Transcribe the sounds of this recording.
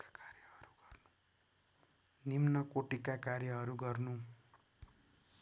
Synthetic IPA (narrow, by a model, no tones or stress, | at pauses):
kkarjʌʌɾuɡʌrnu̥ | nimnʌkoʈikakaɾjʌɦʌɾuɡʌrnu